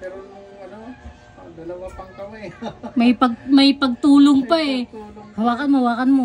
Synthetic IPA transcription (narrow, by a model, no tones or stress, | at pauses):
w | mɐjpɐɡ̚mɐjpɐɡ̚t̪uːloŋpaɛhɐwaːkɐnmowaːkɐnmo